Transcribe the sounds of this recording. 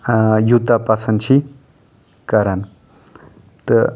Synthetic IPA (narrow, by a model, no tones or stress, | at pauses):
jut̪apasɐnt͡ʃʰi | kɐɾan | t̪ə